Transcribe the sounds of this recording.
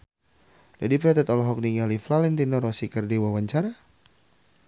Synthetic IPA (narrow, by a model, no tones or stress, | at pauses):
dadipɛt̪ɛt̪ɔlɔɦɔk̚niŋaliflalɛnt̪inɔɾɔsikərdiwawaɲt͡ʃaɾa